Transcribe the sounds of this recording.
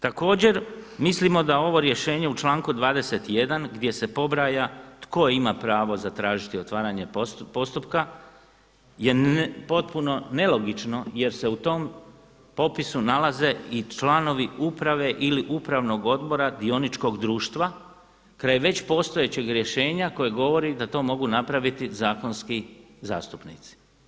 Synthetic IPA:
t̪ako̞ːd͡ʑe̞ɾmislimo̞d̪ao̞ʋo̞ɾje̞ʃe̞ːɲe̞ut͡ʃlaːŋkud̪ʋaːd̪e̞se̞t̪je̞d̪anɡd̪je̞se̞po̞bɾaːjat̪ko̞imapɾaːʋo̞zat̪ɾaːʒit̪io̞t̪ʋaːɾaɲe̞po̞st̪upka | je̞po̞t̪̚puno̞ne̞lˠo̞ɡit͡ʃno̞je̞ɾse̞ut̪o̞m | po̞pisunalaze̞it͡ʃlano̞ʋiupɾaʋe̞ʔiliʔupɾaʋno̞ɡo̞d̪bo̞ɾad̪io̞nit͡ʃko̞ɡd̪ɾuːʃt̪ʋa | kɾajʋe̞t͡ɕpo̞st̪o̞jet͡ɕe̞ɡɾje̞ʃe̞ːɲako̞jeɡo̞ʋo̞ɾid̪at̪o̞ːmo̞ɡunapɾaʋit̪izaːko̞nski | za̰ːst̪upnḭt̪si̥

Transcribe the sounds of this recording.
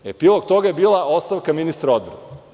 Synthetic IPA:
epilˠok̚t̪o̞ɡajebiːlˠao̞st̪aʋkaminist̪ɾao̞d̪̚bɾane

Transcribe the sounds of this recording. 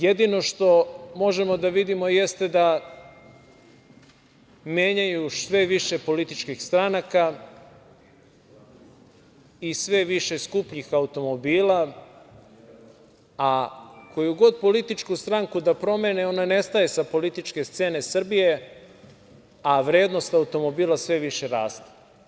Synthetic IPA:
jed̪ino̞ʃt̪o̞mo̞ʒe̞mo̞d̪aʋid̪imo̞je̞st̪e̞d̪a | mjeːɲajusʋe̞ʋiʃe̞po̞lit̪it͡ʃkixst̪ɾanaka | isʋe̞ʋiʃe̞skupɲixaut̪o̞mo̞biːla | akʰo̞juɡo̞d̪̚po̞lit̪it͡ʃkust̪ɾaŋkud̪apɾo̞me̞neo̞nane̞st̪aje̞sapo̞lit̪it͡ʃke̞st̪seːne̞sr̩bije̞ | aʋɾe̞ːd̪no̞st̪aut̪o̞mo̞biːlasʋe̞ʋiʃeɾaːst̪e̥

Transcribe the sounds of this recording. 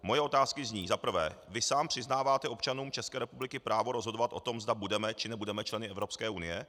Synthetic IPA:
mo̞jɛo̞t̪aːskɪzɲiːzapr̩vɛ̰ːvɪsaːmpr̝̥ɪznaːvaːt̪ɛʔo̞pt͡ʃanuːmt͡ʃɛskɛːɾɛpublɪkɪpɾʔaːvo̞ɾo̞zɦo̞dovat̪ʔo̞̰t̪o̞mzdabudɛmɛt͡ʃɪnɛbudɛmɛt͡ʃlɛnɪɛvɾopskɛːʔunɪjɛ

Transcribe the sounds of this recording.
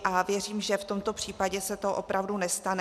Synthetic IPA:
ʔavjɛriːmʒɛft̪o̞mt̪o̞pr̝̥iːpaɟɛsɛt̪oʔo̞pɾavdunɛst̪anɛ

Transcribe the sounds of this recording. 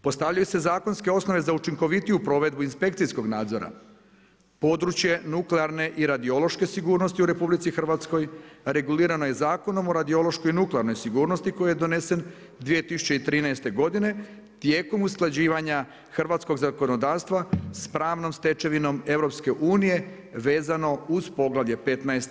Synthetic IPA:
po̞st̪aʋʎajuse̞zaːko̞nske̞o̞sno̞ʋe̞zaut͡ʃiŋko̞ʋit̪ijupɾo̞ʋe̞d̪̚buinspe̞k̚t̪sisko̞ɡnaːd̪zo̞ɾa̰ | po̞ːd̪ɾut͡ʃje̞nukleaɾne̞ʔiɾad̪io̞lo̞ʃke̞siɡuːɾno̞st̪iuɾe̞publit̪sixr̩ʋat̪sko̞jɾe̞ɡuliːɾano̞je̞zaːko̞no̞mo̞ɾad̪io̞lˠo̞ʃko̞jnukleaɾno̞jsiɡuːɾno̞st̪iko̞jijed̪o̞ne̞se̞n | d̪ʋije̞t̪isu̥t͡ɕeit̪ɾiːnaest̪e̞ɡo̞d̪ine̞ | t̪je̞ːko̞musklˠad͡ʑiːʋaɲa | xr̩ʋat̪sko̞ɡzako̞no̞d̪aːʋst̪ʋaspɾaːʋno̞mst̪e̞t͡ʃe̞ʋino̞me̞ʋɾo̞pske̞ʔuːnije̞ | ʋe̞ːzano̞uzpo̞ɡlˠaʋje̞pe̞t̪naest̪

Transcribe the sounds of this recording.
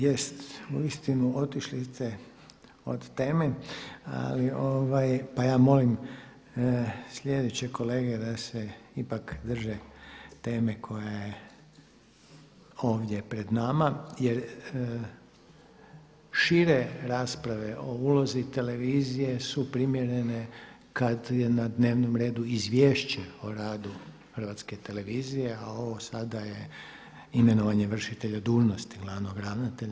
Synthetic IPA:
jest̪uist̪inuo̞t̪iʃlist̪e̞ | o̞̰d̪t̪e̞ːme̞a̰lioʋajpajaːmo̞lim | slʲe̞d̪et͡ɕekʰo̞le̞ːɡe̞d̪aseipakd̪r̩ʒet̪e̞ːme̞kʰo̞jaje | o̞ːʋd̪je̞pɾe̞d̪namaje̞ɾ | ʃiɾe̞ɾaːspɾaʋe̞ʔo̞uːlo̞zit̪e̞le̞ʋiːzije̞supɾimje̞ɾe̞ne̞ | kad̪jenad̪ne̞ːʋnomɾe̞ːd̪uizʋje̞ːʃt͡ɕeoɾaːd̪u | xr̩ʋat̪ske̞t̪e̞le̞ʋiːzije̞ao̞ʋosad̪aje | ime̞noʋaɲe̞ʋr̩ʃit̪e̞ʎad̪uːʒno̞st̪iɡlˠaʋno̞ɡɾaʋnat̪eʎa

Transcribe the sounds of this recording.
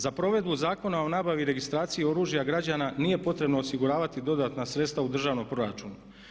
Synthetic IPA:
zapɾo̞ʋe̞d̪buzaːko̞nao̞naːbaʋiɾe̞ɡist̪ɾaːt̪sijio̞ɾuːʒjaɡɾad͡ʑananije̞po̞t̪ɾe̞bnoːsiɡuɾaːʋat̪id̪o̞d̪at̪nasɾe̞t̪st̪ʋaud̪r̩ʒaːʋnompɾo̞ɾat͡ʃuːnu

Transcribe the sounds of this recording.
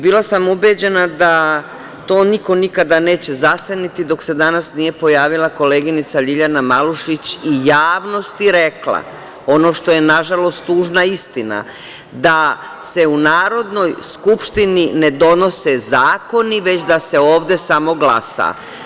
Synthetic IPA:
bilˠasamubed͡ʑe̞nad̪a | t̪o̞ːniko̞nikad̪ane̞ːt͡ɕe̞zasenit̪id̪o̞kse̞d̪anasnije̞po̞jaːʋilˠako̞le̞ːɡinit̪saʎiʎanamaluʃit͡ɕijaːʋno̞st̪iɾe̞kla̰ | o̞no̞ːʃt̪o̞je̞naʒalo̞st̪uːʒnaist̪ina̰ | d̪a | se̞unaːɾo̞d̪no̞jskupʃt̪inined̪o̞no̞sezaːko̞niʋe̞t͡ɕd̪ase̞oːʋd̪e̞samo̞ɡlasa̰

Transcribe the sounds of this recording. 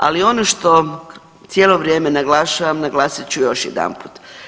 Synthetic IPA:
a̰lio̞noʃt̪o̞ | t̪sjeːlˠo̞ʋɾje̞ːme̞naɡlaʃaʋamnaɡlaːsit͡ɕujo̞ʃjḛd̪a̰mpu̥t̪

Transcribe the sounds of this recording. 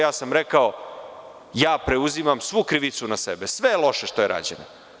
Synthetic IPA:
jaːsamɾekao̞ | jaːpɾe̞uzimamsʋukɾiʋit̪sunasebesʋe̞elˠo̞ʃeʃt̪ojeɾʔa̰d͡ʑḛnḛ

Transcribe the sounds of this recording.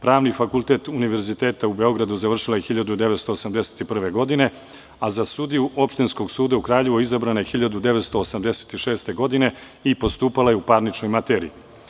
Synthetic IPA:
pɾaːʋnifakulˠt̪e̞ːt̪uniʋe̞ɾzit̪e̞ːt̪aube̞o̞ɡɾad̪uzaʋr̩ʃilajexiʎad̪ud̪e̞ʋet̪st̪o̞ːsamd̪e̞se̥t̪ipr̩ʋe̞ɡo̞d̪ine̞ | azasud̪ijuʔo̞pʃt̪insko̞ɡsuːd̪aukɾaːʎe̞ʋoizabɾanajexiʎad̪ud̪e̞ʋet̪st̪o̞ːsamd̪e̞se̥t̪iʃe̞ːst̪e̞ɡo̞d̪ine̞ | ipo̞st̪uːpalajeupaɾnit͡ʃno̞jmat̪eːɾḭi

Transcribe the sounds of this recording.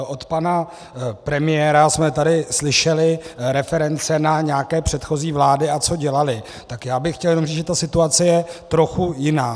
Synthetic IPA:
ʔo̞t̪pana | pɾɛmɪjɛːɾasmɛt̪adɪslɪʃɛlɪɾɛfɛɾɛnt͡sɛnaɲɛakɛːpr̝̥ɛt̪xo̞ziːvlaːdɪat͡so̞ɟɛlalɪ | t̪akjaːbɪxːcɛljɛnomriːt͡sʒɛt̪asɪt̪uat͡sɛjɛt̪ɾo̞xujɪnaː

